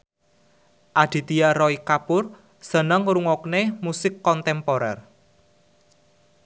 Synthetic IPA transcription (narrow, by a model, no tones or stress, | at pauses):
ʔad̪̥i̤t̪ijaɾɔikapʊr | sənəŋɾuŋɔknemusɪkːɔnt̪ɛmpɔɾɛr